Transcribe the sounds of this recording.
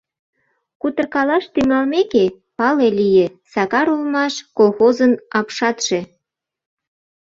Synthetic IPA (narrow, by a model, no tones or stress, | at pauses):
kut̪ə̆rkɑlɑʃt̪yŋɑlmeke | pɑlelijesɑkɑɾulmɑʃkolxozənɑpʃɑt̪ʃe